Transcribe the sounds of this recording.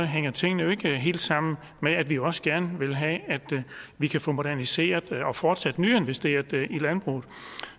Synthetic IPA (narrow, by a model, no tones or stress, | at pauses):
ɦeŋ̰ɐt͡sʰe̝ŋ̰nəjo̝e̝ɡ̥əɦe̝̰ːld̥sɑ̈m̰n̩ | meæd̥ʋioɒ̽səɡ̥æɐnəʋe̝lɦɛæd̥ʋikʰæfɔ̽mo̝d̥æɐnise̝̰ːɐðˠɒ̽fɒːd̥sæd̥nyːe̝nʋesd̥e̝̰ːɐðˠilænb̥ʁṵːð̩ˠ